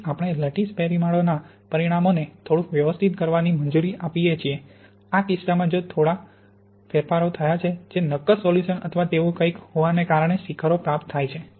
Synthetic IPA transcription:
apəɳ̃eləʈispɛɾimaɭona | pəɾiɽ̃amonet̪ʰoɽũkʋjəʋəst̪ʰit̪̚kəɾʋanimənd͡ʒuɾiʔapijet͡ʃʰie | akɪsːamãd͡ʒot̪ʰoɽa | fʰeɾfaɾot̪ʰəjat͡ʃʰed͡ʒenəkːəsoljuʃənə̰t̪ʰəʋat̪eʋũkəikhoʋanekaɾəɳ̃esikʰaɾopɾap̚t̪ʰːajt͡ʃʰe

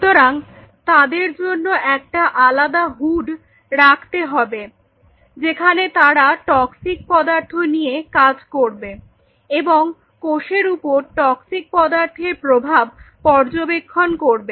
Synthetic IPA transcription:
ut̪oɾaŋ | t̪ad̪eɾd͡ʑonːoʔɛk̚ʈaʔalad̪aɦuɖ | ɾakʰt̪eɦɔbe | d͡ʑekʰanet̪aɾaʈɔksik̚pɔd̪aɾt̪ʰonijekad͡ʑkoɾbe | eboŋ | koʃeɾupoɾʈɔksik̚pɔd̪aɾt̪ʰeɾpɾobʱab̚pɔɾd͡ʑobekʰːonkoɾbe

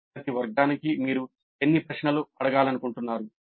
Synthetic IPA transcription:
ɐt̪iʋɐɾɡaːnikimiːɾu | e̞nːipɾɐʂɳɐluɐɽɐɡaːlɐnukuɳʈunːaːɾu

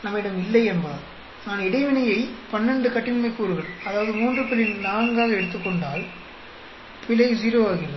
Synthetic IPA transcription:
nɐmːɐɪɽɐmɪlːɐɪɛnbɐðɐ | naːnɪɽɐɪʋɪnɐjɐɪpɐnːɛɳɖɯkɐʈːɪnmɐɪkːuːɾɯɣɐɭɐðaːʋɐðɯmuːndrɯpːɪlɪnnaːŋɡaːɣɐɛɽɯt̪ːɯkːɔɳɖaːl | pɪlɐɪs̬iːɾoːʋaːɣɪɾɐ

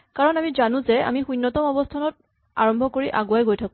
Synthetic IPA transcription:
kaɹɔnamizanʊ̃zɛa̰mixujnːɔtɔmɔbɔstʰanɔt̚ | a̰ɹɔmbʱɔkoɹiʔaɡuajɡojtʰakʊ̃

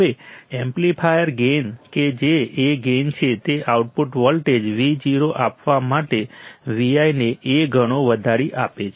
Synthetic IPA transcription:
ʋeẽmplipʰajəɾɡenked͡ʒeːɡent͡ʃʰet̪eʔauʈpuʈʋəlʈed͡ʒʋid͡ʒiɾoʔapʋamaʈeʋiajneʔeɡʱəɽ̃oʋəd̪ʱaɾiʔapet͡ʃʰe

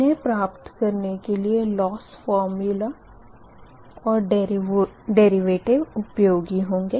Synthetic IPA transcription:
ẽpɾaːpt̪kɐɾnekelielɔːsfɔːɾmjʊla | ɔːɾɖ | ɖeːɾiʋeːʈɪʋʊpjoːɡiɦõːŋɡeː

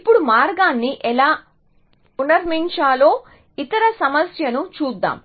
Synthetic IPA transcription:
ipːuɽumaːɾɡaːnːiʔɛlaː | unɐɾmiɲt͡ʃaːlo̞ː | it̪ɐɾɐsɐmɐsjɐnut͡ʃuːd̪ːa̰ːm

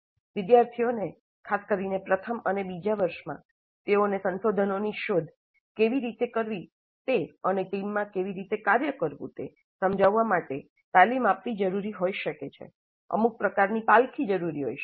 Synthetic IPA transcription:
ʋɪd̪jaɾt̪ʰijone | kʰaskəɾinepɾət̪ʰəmənebid͡ʒaʋəɾʃmã̰ | t̪eonesə̃nʃod̪ʱənoniʃod̪ʱ | keʋiɾit̪ekəɾʋi | t̪eəneʈimːãkeʋiɾit̪ekaɾjəkəɾʋṵ̃t̪ḛ | səmd͡ʒaʋːamaʈe | t̪alimapʋid͡ʒəɾuɾiɦoiʃəket͡ʃʰḛ | ə̰muk̚pɾəkaɾnipalkʰid͡ʒəɾuɾiɦo̰iʃ

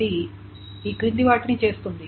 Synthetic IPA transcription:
i | iːkɾind̪iʋaːʈinit͡ʃe̞ːst̪und̪i

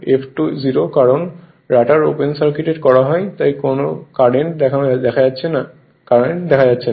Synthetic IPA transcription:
epʰʈuziɾokaɾon | ɾaʈaɾopensaɾkiʈeʈkɔɾaɦɔet̪ajkonokaɽeɳʈd̪ɛkʰand̪ɛkʰaatːɕʰena | kaɾeɳʈ̚d̪ɛkʰad͡ʑatːɕʰe

